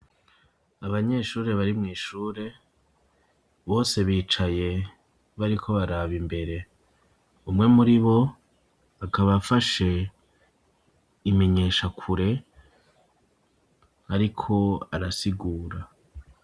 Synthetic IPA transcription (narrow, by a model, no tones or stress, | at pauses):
aβaɲe̞ʃuːɾe̞βaɾimŋiːʃuːɾe̞ | βo̞ːse̞βiːt͡ʃaje̞ | βaɾikʰo̞βaɾaβimbe̞ɾe̞ | umŋe̞muɾiβo̞ | akʰaβafaʃe̞ | ime̞ɲeːʃakʰuɾe̞ | aɾikʰo̞aɾasiɡuːɾa